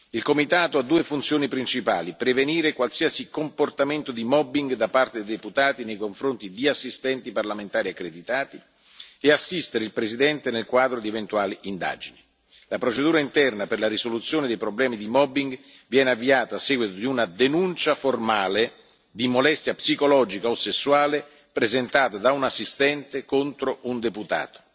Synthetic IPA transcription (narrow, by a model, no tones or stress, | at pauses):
ilkomit̪aːt̪oad̪ːuːefunt̪sjoːnipɾint͡ʃipaːlipɾeveniːɾekwalsiasikomport̪ament̪od̪imɔbiŋɡd̪apːart̪ed̪ejd̪eput̪aːt̪inejkoɱfɾont̪id̪iasːist̪ɛnt̪iparlament̪aːɾiakːɾed̪it̪aːt̪i | easːist̪eɾeilpɾesid̪ɛnt̪enelkwaːd̪ɾod̪ievent̪uaːliind̪a̰ːd͡ʒini | lapɾot͡ʃed̪uːɾaint̪ɛrnaperlaɾisolut̪sːjoːned̪ejpɾoblɛːmid̪imɔbiŋɡ | vjɛːneavːiaːt̪aːsːɛːɡwit̪od̪iunad̪enunt͡ʃaformaːle | d̪imolɛst̪japsikolɔːd͡ʒikaosesːwaːle | pɾezent̪aːt̪ad̪aunasːist̪ɛnt̪ekont̪ɾound̪eput̪a̰ːt̪o̥